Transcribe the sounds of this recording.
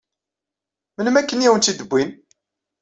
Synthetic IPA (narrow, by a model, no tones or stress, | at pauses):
mələmækːənjæwənt̪id̪əbʷːin